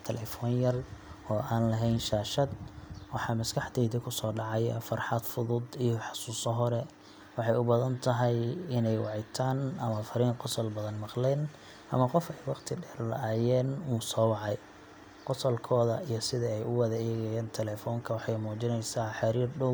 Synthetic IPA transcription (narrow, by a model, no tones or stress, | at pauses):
t̪ʰɛlɛːfɔːnjɐrɔːʔaːnlɐɦɛjnʃaːʃɐd̪wɑħɑːmɐskʰɑħd̪ɛːðɪkʰʊsɔːɖɑʕɑj̰fɑrħɑd̪fʊðʊd̪ijɔħɑ̥suːsɔɦɔɾɛ | wɑħɑjʊbɐðɐnt̪ʰɐɦɛjɪnɛjwɑʕɪjt̪ʰaːnɐmɐfɐɾiːŋqɔsɔlbɐðɐnmɑqlɛːn | ʔɐmɐqɔfɛjwɑqt̪ʰɪɖɛːrlɐ̰aːjɛːnuːsɔːwɑʕɑj | qɔsɔlkʰɔːðɐijɞsɪðɐɛjʔʊwɐðɐɛːɣɛjɛːnt̪ʰɛlɛːfɔːŋkʰɐwɑħɑjmuːt͡ʃɪnɛjsaːħɑɾiːrɖɔw